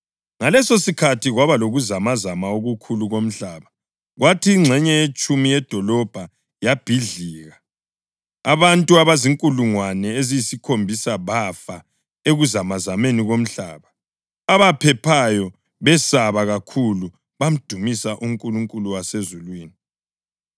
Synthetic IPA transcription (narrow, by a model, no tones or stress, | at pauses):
ŋalɛsosikʰatʰiɣwaβaloɣuzamazamaoɣukʰuluɣom̩ɬaːβa | ɣwatʰiŋ͡ǁʱɛɲɛet͡ʃʼumijɛd̥ʱɔlɔb̥ʱa | jab̥ʱiɮiːɣa | aβantʼuaβaziŋkʼuluŋwanɛezijisikʰombʱisaβafa | eɣuzamazameniɣom̩ɬa̰ːβa | aβapʰɛpʰajɔ | βɛsaβaɣakʰulu | βam̩d̥ʱumisaʔuŋkʼuluŋkʼuluwasezulwiːni